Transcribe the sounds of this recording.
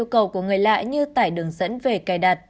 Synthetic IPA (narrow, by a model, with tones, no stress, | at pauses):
wkə˨˩wku˧˩əŋɨ˨˩əjla̰ː˧˨jɲɨ˧t̪a̰ː˧˩jɗɨ˨˩əŋzə̰˧˥nve˨˩kaː˨˩jɗaː˨˩t̚